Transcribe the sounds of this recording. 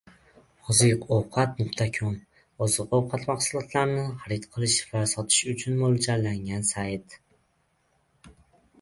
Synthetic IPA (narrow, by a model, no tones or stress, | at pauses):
ɒzɪqowqʰɑt̪̚nʊqt̪ʰakʲʰɒn | ɒzɨqowqʰɑt̪maχsʊlˠɒt̪ʰlaɾnɪχaɾɪt̪qʰɨlˠɪʃvasɒt̪ʰɪ̥ʃʊt͡ʃʰʊnmold͡ʒalːaŋansajt̪